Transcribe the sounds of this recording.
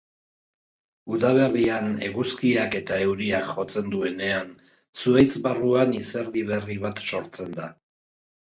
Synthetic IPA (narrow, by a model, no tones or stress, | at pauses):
uðaβ̞e̞riane̞̰ɣuskiake̞t̪ae̞wɾiakʝo̞t͡se̞nd̪ue̞ne̞an | suejt͡sβaruaniseɾðiβ̞e̞riβ̞at̪so̞ɾt͡se̞nd̪a